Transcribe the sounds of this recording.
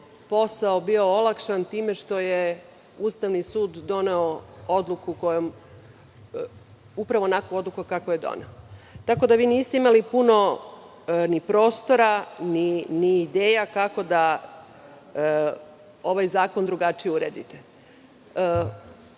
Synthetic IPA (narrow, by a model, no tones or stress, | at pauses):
po̞saobio̞olˠakʃant̪iːme̞ʃt̪o̞je | uːst̪aʋnisuːd̪ːo̞ne̞ood̪lˠukuko̞jom | upɾaʋo̞nakuo̞d̪lˠukukakoje̞d̪o̰neot̪ako̞d̪aʋiːniːst̪e̞imalipuno̞ | nipɾo̞ːst̪o̞ɾaniniːd̪eːjakako̞d̪a | o̞ʋajzaːko̞nd̪ɾuɡat͡ʃijeuɾeːd̪ḭt̪e